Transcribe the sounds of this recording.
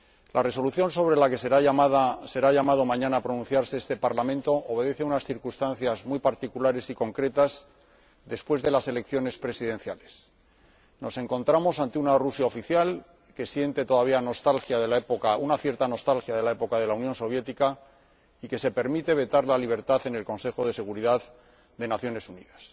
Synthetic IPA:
lʔare̞so̞luθjo̞nso̞βɾe̞lake̞seɾaamaðase̞ɾaʎamað̞o̞mãɲãnaːpɾo̞nũn̟θjaɾseest̪e̞paɾlamẽnt̪o̞ʔoβ̞e̞ðe̞θeunasθiɾkust̪anθjazmujpaɾt̪ikulaɾe̞siko̞ŋkɾe̞t̪az | ðe̞spwe̞zðe̞lase̞le̞kθjo̞ne̞spɾe̞siðẽ̞n̟θjale̞s | no̞se̞ŋko̞nt̪ɾamo̞sant̪eunarusjaofiθjal | ke̞sje̞nt̪e̞t̪o̞ðaβ̞iano̞st̪alxjaðelaepokaunaθje̞ɾt̪ano̞st̪alxjaðe̞lae̞po̞kaðe̞launjo̞nso̞β̞je̞t̪ika | ike̞se̞pe̞ɾmit̪e̞βe̞t̪aɾlaliβ̞e̞ɾt̪aθe̞ne̞lko̞nse̞xo̞ðe̞se̞ɣ̞uɾiðað | ðe̞naθjo̞ne̞sunḭðas

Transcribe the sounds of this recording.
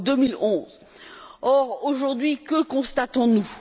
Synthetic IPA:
d̪əmilɔ̃z | ɔʁoʒuʁd̪ɥikəkɔ̃st̪at̪ɔ̃nu

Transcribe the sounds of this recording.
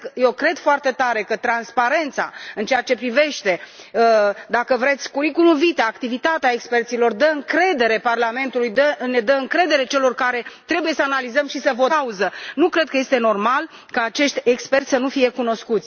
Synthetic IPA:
jewkɾe̞d̪foart̪e̞t̪aɾe̞kət̪ɾanspaɾe̞nt̪sa̰ɨnt͡ʃeat͡ʃe̞pɾive̞ʃt̪e̞ | əd̪akəvɾe̞t̪sʲkuɾikunuvit̪eaːkt̪ivit̪at̪eaekspe̞rt̪silo̞rd̪əɨŋkɾe̞d̪e̞ɾe̞parlame̞nt̪ulujd̪əne̞d̪əɨŋkɾe̞d̪e̞ɾe̞t͡ʃe̞lo̞rkaɾe̞t̪ɾe̞buje̞səanalizəmʃisəvoauzənukɾe̞d̪̚kəje̞st̪e̞no̞rmal | kaːt͡ʃe̞ʃt̪ʲekspe̞rt̪sʲsənufije̞kuno̞skut̪sʲ

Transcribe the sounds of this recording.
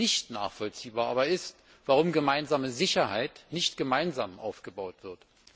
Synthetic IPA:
ɪçtna̰ːχfɔlt͡siːbaːɐʔa̰ːbɐɪst | v̥aʁ̞ʊmɡəmaɪnzaːməzɪçɐhaɪtnɪçtɡ̥əmaɪnzaːmʔa̰ʊfɡ̥əbaʊtv̥ɪɐt

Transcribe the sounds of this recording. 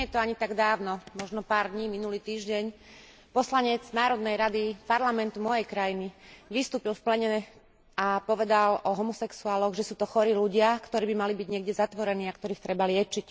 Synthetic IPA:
ɲɛjɛt̪ɔaɲit̪aɡd̪aːʊnɔmɔʒnɔpaːɾd̪ɲiːminuliːt̪iːʒɟɛɲ | pɔslaɲɛd͡znaːɾɔd̪nɛjɾad̪ipaɾlamɛnt̪umɔjɛjkɾajiniʋist̪uːpilfplɛɲɛ | apɔʋɛd̪alʔɔɦɔmɔsɛksuaːlɔɣʒɛsuːt̪ɔxɔɾiːluɟɪakt̪ɔɾiːbimalibiɟɲɪɛɡɟɛzat̪ʋɔɾɛniːakt̪ɔɾiːxt̪ɾɛbalɪɛt͡ʃic

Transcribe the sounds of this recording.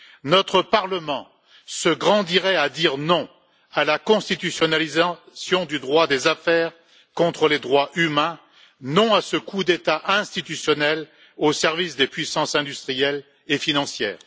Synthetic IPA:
nɔt̪χəpaʁləmɑ̃ | səɡʁɑ̃d̪iʁɛad̪iʁnɔ̃ | alakɔ̃st̪it̪ysjɔnaliza | sjɔ̃d̪yd̪ʁwad̪ezafɛːʁ | kɔ̃t̪χəled̪ʁwaʔymɛ̃ | nɔ̃asəkud̪et̪aʔɛ̃st̪it̪ysjɔnɛl | osɛʁvisd̪epɥisɑ̃sɛ̃d̪yst̪χijɛl | efinɑ̃sjɛ̰ːʁ

